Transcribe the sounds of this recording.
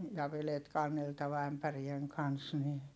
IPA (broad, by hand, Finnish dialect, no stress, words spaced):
jɑ ʋelet kɑnːeltɑʋɑ æmpærieŋ kɑns ni